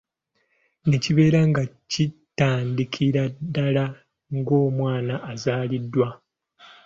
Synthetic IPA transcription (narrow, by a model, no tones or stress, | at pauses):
neciβe̞ːɾaŋɡacitːaːndikʰiɾadːala | ŋɡo̞ːmwaːnaʔːzaːlidːwa